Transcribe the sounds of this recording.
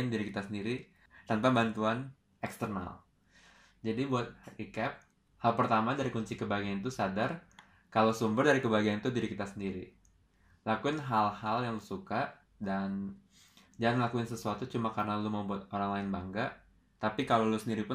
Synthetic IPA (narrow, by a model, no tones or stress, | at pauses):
ɪndiɾikit̪asəndiɾi | t̪anpabant̪uan | ɛkst̪ərna̰l | d͡ʒadibuat̪̚ikɛp̚ | halpərt̪amadaɾikuɲt͡ʃikəbaɡajant̪usadar | kalosumbərdaɾikəbaɡijant̪udiɾikit̪asəndiɾi | lakuɪnɦalhaljaŋlusuka | dan | d͡ʒaaŋlakuɪnsəsuat̪ut͡ʃumakarənalumaubuat̪̚oɾaŋlaɪnbaŋɡaʔ | t̪apikalolusəndiɾipʊ